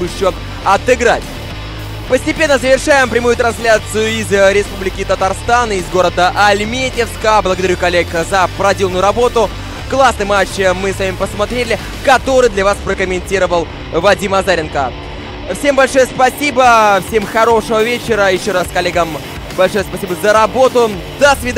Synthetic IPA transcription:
jɪɕo | ɐt̪ɪɡɾatʲ | pəsʲtʲɪpʲe̞nːəzəvʲɪrʂajɪmpɾʲɪmujʊt̪ɾɐnsʲlʲat̪sɨjʊɪzɾʲɪspublʲɪkʲɪt̪ət̪arst̪anɪzɡo̞ɾəd̪əʔɐlʲmʲetʲɪfskəblˠəɡəd̪ɐɾʲukɐlʲːekzəpɾɐdʲilˠnʊjʊɾɐbo̞t̪ʊ | klˠasnɨjmat͡ɕmɨsvamʲɪpəsmɐt̪ɾʲelʲɪ | kɐt̪o̞ɾɨjd̪lʲɐvaspɾəkəmʲɪnʲtʲiɾəvəlˠ | vɐdʲimɐzaɾʲɪnkə | fsʲe̞mbɐlʲʂo̞jəspɐsʲibəfsʲe̞mxɐɾo̞ʂɨvəvʲet͡ɕɪɾəjɪɕːo̞ɾaskɐlʲeɡəm | bɐlʲʂo̞jəspɐsʲibəzəɾɐbo̞t̪ʊ | d̪əsvʲɪd̪

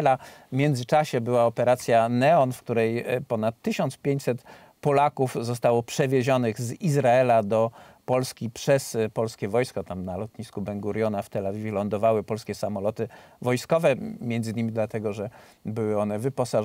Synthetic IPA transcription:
lamʲjɛnd̪zɘt͡ʂaɕɛbɘwaɔpɛɾat̪sʲjanɛɔnfkt̪uɾɛjpɔnat̪ːɘɕɔnt̪spʲjeɲt͡ɕʲsɛt̪ | pɔlakufzɔs̬t̪awɔpʂɛvʲjeʑɔnɘɣzizɾaɛlad̪ɔpɔlskʲipʂɛspɔlskʲɛvɔjskɔt̪amnalɔt̪ɲiskubɛŋɡuɾjɔnaft̪ɛlavʲivʲɛlɔnd̪ɔvawɘpɔlskʲɛsamɔlɔt̪ɘvɔjskɔvɛmʲjɛnd̪zɘɲimʲid̪lat̪ɛɡɔʐɛ | bɘwɘɔnɛvɘpɔsa

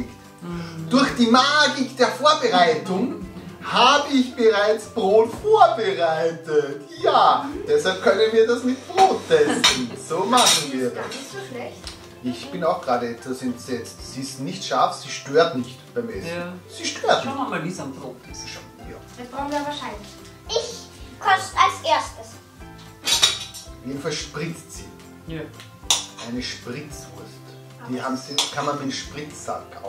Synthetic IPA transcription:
k | d̥ʊɐxd̥iːmaːɡɪkd̥eːɐfoːɐbəʁaɪtʊŋhaːbəɪçb̥əʁaɪt͡sb̥ʁoːtfoːɐbəʁaɪtətjaːd̥ɛshalp̚kʰœnənviːɐdasnɪçt̚b̥ʁoːtʰɛsstn̩soːmaχn̩viːɐdas | ʔɪçb̥ɪnaʊxɡ̥ʁaːdəɛtv̥asɛntsɛt͡stsiɪstnɪçtʃaɐfsiːʃtøːɐtnɪçtb̥aɪmʔɛssiʃtøːɐtʃamamalvisamdʁoʃa | ja̰d̥asb̥ʁaʊxnviɐvaːɐʃaɪnlɪç | ʔɪçkʰɔstalsʔeːɐstəs | fjeːdn̩falʃpʁɪt͡stsḭː | ʔaɪnəʃpʁɪt͡svʊɐst | d̥iːhaːmzikʰanmanmɪtʃpʁɪt͡sːa̰ka̰

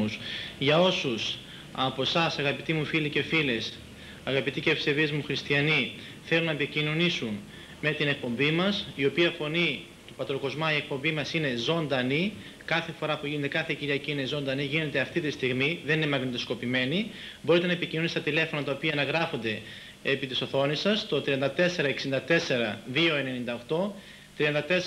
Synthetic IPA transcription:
usʝɐo̞sus | ɐpo̞sɐsɐɣɐpit̪imufilice̞files | ɐɣɐpit̪icefsevizmuxɾist̪iɐni | θe̞lunɐepicino̞nisun | me̞t̪ine̞k̚po̞mbimɐsio̞piɐfo̞ni | t̪upɐt̪ɾoko̞zmɐie̞k̚po̞mbimɐsine̞zo̞nd̪ɐni | kɐθe̞fo̞ɾɐpuʝinot̪ekɐθe̞ciɾiɐciinezo̞nd̪ɐniʝine̞t̪eɐft̪it̪ist̪iɣmiðe̞nine̞mɐɣnit̪osko̞pime̞ni | bo̞ɾit̪e̞nɐepicino̞nist̪ɐt̪ile̞fo̞nɐt̪ɐopiɐnɐɣɾɐfo̞nd̪e̞ | epit̪iso̞θo̞nisɐst̪o̞t̪ɾiɐnd̪ɐt̪e̞se̞ɾɐeksind̪ɐt̪e̞se̞ɾɐðio̞e̞ne̞nind̪ɐoxt̪o̞ | t̪ɾiɐnd̪ɐt̪e

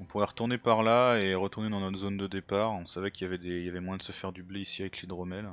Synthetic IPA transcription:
ɔ̃puʁɛʁət̪uʁnepaʁlaeʁət̪uʁned̪ɑ̃nɔt̪zond̪əd̪epaːʁɔ̃savɛkʲiljavɛd̪eiljavɛmwajɛ̃d̪əsəfɛʁd̪ybleisiavɛklid̪ʁɔmɛl

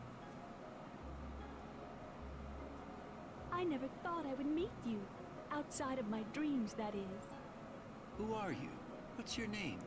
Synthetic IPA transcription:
aɪnɛvə˞θɔɾaɪwɨd̚mit͡ʃɨ | aʊtsaɪɾʌvmaɪdɹĩmzðɨɾɪz̥ | huə˞jṵ | wʌtsjɔ˞nẽɪ̃m

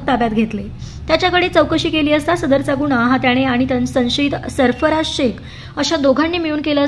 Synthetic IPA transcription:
t̪ab̪jat̪ɡʱet̪le | t̪jat͡ɕjakəɽet͡səwkəɕiːkeliːəst̪asəd̪əɾt͡saɡuɳaɦãt̪jaɽ̃eaɽ̃it̪ənsə̃ɕiːt̪səɾfəɾasɕek | əɕad̪oɡʱanːiːmiɭuːnkelə

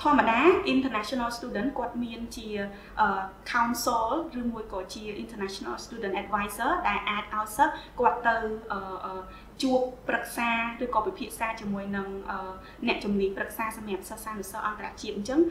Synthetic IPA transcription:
t̪ʰŏəmaɗaːʔint̪ənat͡ɕʰɔnalst̪uːɗənkŏət̪̚miənt͡ɕiə | ʔəːkʰawnsoːlrɨːmuəjkɑːt͡ɕiəʔint̪ənaːt͡ɕona̰lst̪uːɗənt̪ʔɛt̪̚ʋajsəːɗaɛlʔaːt̪̚ʔaɔjsəhkŏət̪ːɨwʔəːʔəː | t͡ɕuəpːrək̚saːrɨːkɑːpipʰiəʔsaːt͡ɕiəmuəjnɨŋʔəː | nɛ̆əʔt͡ɕumniəɲprək̚saːsɑmɛ̆əp̚səhsant̪ːesəhʔɑnt̪ara̰ʔt͡ɕiət̪̚ɲt͡ɕəŋ

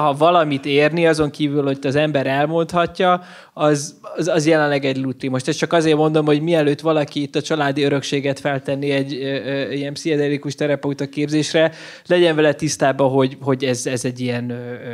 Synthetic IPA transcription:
ɦɒvɒlɒmit̪eːrniɒzo̞ŋkiːvylho̞t̪ːɒzɛmbɛɾɛlmo̞nt̪hɒcːɒ | ɒzzɒzjɛlɛnlːɛɡɛɟlut̪rimoʃt̪ɛst͡ʃɒkɒzeːrmo̞nd̪o̞mho̞ɟmiɛløːt̪ʋɒlɒkiːt̪ːɒt͡ʃɒlaːd̪iøɾø̞kʃeːɡɛt̪fɛlt̪ɛnːiɛɟːijɛmpsiɛd̪ɛlikuʃt̪ɛɾɛput̪ɒkeːbzeːʃrɛ | lɛɟɛɱvɛlɛt̪ist̪aːbɒɦo̞ɟɦo̞ɟɛzɛzɛɟːiɛnø

